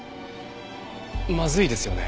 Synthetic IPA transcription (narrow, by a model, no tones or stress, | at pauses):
mazɨid̪e̞sɨjo̞ne̞̰